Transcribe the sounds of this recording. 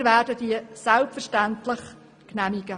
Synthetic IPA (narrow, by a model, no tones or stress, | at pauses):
ɾvæːɾdədiəsælpfəɛʃtæntləχ | knæmiɡ̥ə